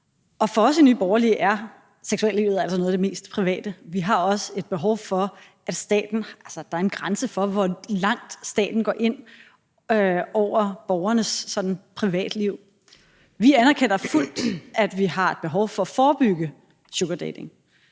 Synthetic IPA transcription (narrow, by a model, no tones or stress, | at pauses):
ʔɒ̽fɒ̽ɒ̽sinyːb̥ɒʊɐlḭʔæɐ | seɡ̥suɛ̰lːiʊð̩ˠæl̰sɒno̽ðˠd̥e̝me̝̰ːsd̥pʰʁiʋɛ̰ːd̥əʋiɦɑ̈ɒ̽səe̝d̥̚b̥e̝ɦɒʊfɒ̽ | æd̥sd̥ɛ̰ːd̥n̩ælsɐd̥ɑ̈æɐenɡ̥ʁansəfɒ̽ʋɒlɑ̈ŋ̰d̥sd̥ɛ̰ːd̥n̩ɡ̥ɒ̰ːʔe̝n̰ | øɒʊ̰ɐb̥ɒʊɐnəsːɒ̽d̥n̩pʰʁiʋɛ̰ːd̥liʊ̰ | ʋiænæɐkʰen̰ɐful̰d̥æd̥ʋihɑ̈e̝d̥̚b̥e̝ɦɒʊfɒ̽fɒːb̥yɡ̥ə | ɕoɡ̥əd̥ɛ̰d̥eŋ